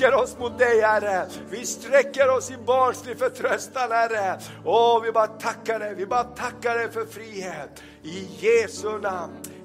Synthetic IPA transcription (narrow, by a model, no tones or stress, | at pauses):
əɾɔsmʊt̪̚d̪ɛɪhæɾəvɪst̪ɾɛkːəɾɔsɪbɑːɳsliːfət̪ʰɾœst̪anhæɾə | ɔvɪbɑːɾt̪ʰakːaɖɛjʋɪbɑːɾt̪ʰakːaɖɛjfɔɾfɾiːheːt̪ | ɪjeːsʉnan